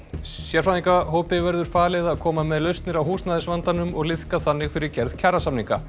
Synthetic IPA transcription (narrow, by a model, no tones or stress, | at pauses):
sjɛɾfaniŋkaɦoːwpɪvɛɾðʏɾ̥faːlɛðaaðkʰɔːmamɛðlœɥst̪nɪɾawɦuːsnaːðɪsvant̪anʏmɔɣlɪθkaθanːɪɣfɪɾɪɾcɛɾð̥cʰarasamniŋka̰